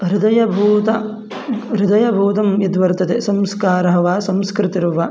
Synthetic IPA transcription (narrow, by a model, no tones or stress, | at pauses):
ɾɪd̪ɐjɐbʱuːt̪ɐ | ɾɪd̪ɐjɐbʱuːt̪ɐmjɐd̪ʋɐɾt̪ɐt̪esɐmskaːɾɐɦɐʋaːsɐmskɾɪt̪iɾɐʋɐ